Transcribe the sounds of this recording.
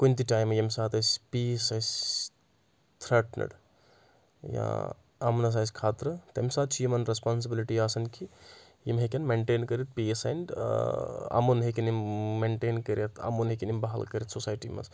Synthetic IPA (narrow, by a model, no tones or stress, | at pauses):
kunʲt̪̬iʈaːjmːejemsaːt̪ɐspisɐs | t̪ʰɾɐʈnɐ̰ɽ | jã̰ | ɐ̰mnɐs̬asʲkʰaːt̪ɾɨt̪ɐmsaːt̪̚t͡ʃʰijimɐnɾespaːns̬ibiliʈiaːsɐnkʰi | jimɦekʲɐnmeɳʈeːnkɐɾit̪̚piesɐ̰ɳɖ | ɐ̰munɦekʲɐnimmeɳʈeːnkəɾet̪ʰɐ̰munɦekʲinimbɐɦɐ̰lkɐɾit̪sosaːjʈḭmɐ̰s